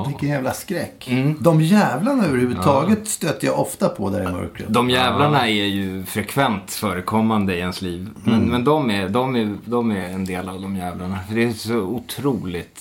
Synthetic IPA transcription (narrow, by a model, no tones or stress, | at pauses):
vɪkːənjæːvlaskɾɛkːm̩ːd̪ɔmjɛːvlaɳaøːvəɾhʉːvʉt̪ʰɑːɡət̪st̪øːt̪ːəjɑ̰ʔɔft̪apʰɔd̪æ̰ɾɛmœ̰ɾkɾə̰d̪ɔmjɛːvlaɳaɛɾjɵfɾɛkʰvɛnt̪fœːɾəkʰɔmːand̪əɪɛnsliːvmɛnmɛnd̪ɔmæd̪ɔmɛd̪ɔmæɾɛnd̪eːlavd̪ɔmjɛːvlaɳafœɖɛːsɔʊt̪ʰɾuːlɪt̪